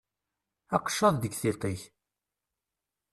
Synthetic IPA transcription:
ɑqʃːɑðˤd̪əɡθit̪ˤiç

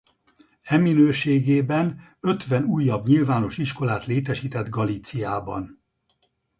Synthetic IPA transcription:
ɛminøːʃeːɡeːbɛn | ø̞t̪ʋɛnuːjːɒbɲilvaːno̞ʃiʃko̞laːt̪leːt̪ɛʃiːt̪ɛd̪ɡɒlit̪sijaːbɒ̰n

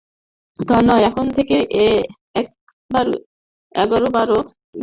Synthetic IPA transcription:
d̪ʱɔnɔeɛkʰont̪ʰekeʔe | ɛk̚ | baɾ | ɛ̰ɡɔɾobaɾo

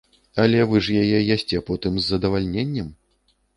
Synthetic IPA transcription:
ɐlʲɛvɨʐjajɛjasʲt͡sʲɛpɔt̪ɨmzːɐd̪ɐvalʲnʲenʲːɐm

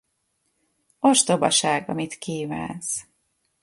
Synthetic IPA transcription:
oʃt̪obɒ̰ʃaːɡɒ̰mit̪kiːva̰ːns

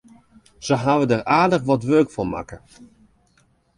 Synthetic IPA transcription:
z̥əɦaʋədəraːdəχʋɔtʋørkfɔma̰kə

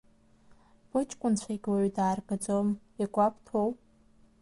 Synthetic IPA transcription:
b̥ɨt͡ʃʼkʷʼʊnt͡ɕʷʰajɡʲʼwaɥdaːrbad͡zom | ikʷʼapʰtʰowʼ

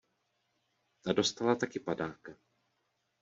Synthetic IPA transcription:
ado̞st̪alat̪akɪpadaːka

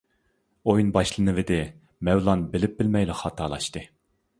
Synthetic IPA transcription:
ojunbɑʃlˠɨnɨvɪd̪ɪ | mɛwlˠɑnbɪlɪp̚bɪlmɛjlɪχɑːt̪ʰɑːlˠɑʃt̪ɨ

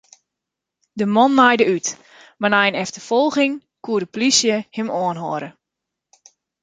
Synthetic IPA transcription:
dəmɔnːajdəyt | manajənɛftəfɔlˠɣɪŋ | kuədəplisjəhɪmɔənɦɔːɾə

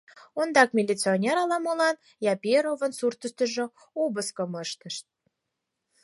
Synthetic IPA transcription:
ond̪ɑk̚mʲilʲit͡sionʲeɾɑlɑmolɑn | jɑpʲeɾovə̆nsurt̪əʃt̪ə̆ʒŏ | ubəskəməʃt̪ə̆ʃt̪̚

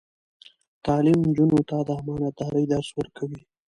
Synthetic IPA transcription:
t̪ɑlɪmnd͡ʒunot̪ad̪əamɑnat̪̚d̪ɑɾəjd̪aɾswəɾkʰawi

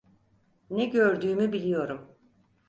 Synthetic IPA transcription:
nɛɟøɾd̪yːmybilʲijo̞ɾum

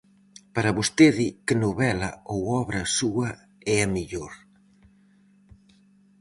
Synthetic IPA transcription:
paɾɐβost̪eðɪkɪnoβɛlɐ̰owɔβɾɐsuɐ | ɛɐmiʎoɾ

